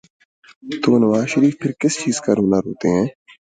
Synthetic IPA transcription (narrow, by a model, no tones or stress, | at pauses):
t̪oːnəʋaːzʃəɾiːfpʰɪɾkɪst͡ʃiːzkaːɾɦoːnaɾoːt̪eɦɛ̃ː